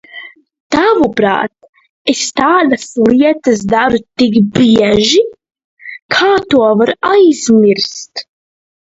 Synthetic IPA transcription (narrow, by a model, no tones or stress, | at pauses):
t̪avupɾa̰ːt̪̚ | est̪aːlasliɛt̪ɐs̬d̪aɾut̪ikbiɛʒi | kʰaːt̪uɔvaɾajz̥miɾst̪